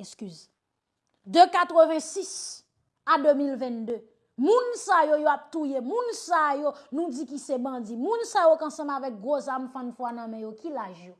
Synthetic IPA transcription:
ɛskyz | d̪økat̪ʁəvɛ̃sis | ad̪ømilvɛ̃nd̪ø | mũnsajojoap̚t̪ujemũnsajonũd͡zikisɛbʌ̃d͡zimũnsajokɐ̃sɐ̃mavɛk̚ɡʁozamfãnfwanɐ̃mɛ̃jokilaʒjo

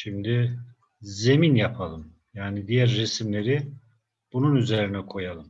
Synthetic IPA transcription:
ʃimd̪ɪ | ze̞minjapʰalˠɯm | jaːnid̪ijæɾːesmlʲe̞ɾi | b̥ununyze̞ɾinɛkʰo̞jalˠɯm

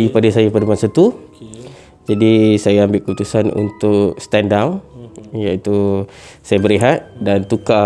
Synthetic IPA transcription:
ipadasajapadamansat̪u | d͡ʒadisajaːmbɪl̚kəut̪usanṵnt̪ʊkst̪ɛndawjait̪usajabəɾiɦat̪̚dant̪uka

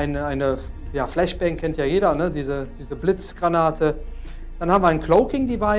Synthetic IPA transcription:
ʔaɪnəʔaɪnəjaːflɛʃb̥ɛŋkʰɛntjaːjeːɾɐnədiːzəd̥iːzəblɪt͡sɡ̥ʁanaːtʰə | d̥anhaːm̩viɐaɪnkʰloʊkɪŋdibaɪ

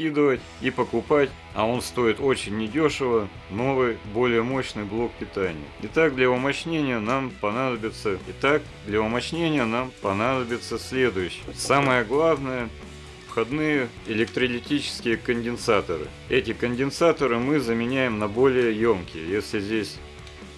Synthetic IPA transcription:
kʲid̪ɨvətʲ | ipəkʊpatʲ | ɐo̞nst̪o̞jɪt̪o̞t͡ɕɪnʲːɪdʲoʂɨvə | no̞vɨjbo̞lʲɪjəmo̞ɕnɨjblˠo̞k̚pʲɪt̪anʲɪ̰jə̰ɪt̪aɡ̚d̪lʲəʊmɐt͡ɕnʲenʲɪjənampɐnad̪əbʲɪt̪səɪt̪ak | d̪lʲɐʊmɐt͡ɕnʲenʲɪjənampɐnad̪əbʲɪt̪səsʲlʲe̞d̪ʊjʉɕːɪməsaməjəɡlˠavnəjə | fxɐd̪nɨjə | ɪlʲɪk̚t̪ɾəlʲɪtʲit͡ɕɪ̥skʲɪjəkənʲdʲɪnsat̪əɾɨ̰ | ɛtʲɪkənʲdʲɪnsat̪əɾɨmɨzəmʲɪnʲæjɪmnɐbo̞lʲɪjəjomkʲɪjə̰jesʲlʲɪzʲdʲesʲ

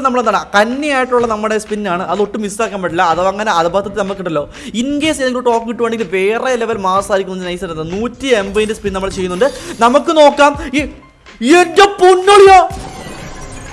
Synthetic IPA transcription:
nɐmːɐɭend̪aːɳɨkɐnːijaːjiʈːuɭːɐnɐmːɨɽe̞spinːaːɳɨʔɐðo̞ʈːɨmistaːkːaːmbeʈːilːɐːðoːɐŋːɐne̞ɐðɐbɐɐt̪ɐt̪ːnɐmɐkːiʈːɐlːo̞ː | inɡeːseðeŋɡiloʈːoːkːikiʈːuʋeːɳeŋɡilʋe̞ːreleʋɐlmaːsaːɾikʲːunːnːɨnɐjsɐɾunːɐðɨnuːtːie̞mbɐjindespinnɐmːɐɭt͡ɕe̞junːuɳɖɨnɐmukːɨno̞ːkːaːmi | endepunːoɭija

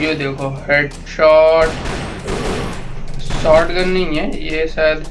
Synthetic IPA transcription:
jed̪eːkʰoɦeːɖ | ʃɔːʈ | ʃɔːɾʈɡɐnːɐɦĩɦɛjeːsaːjd̪

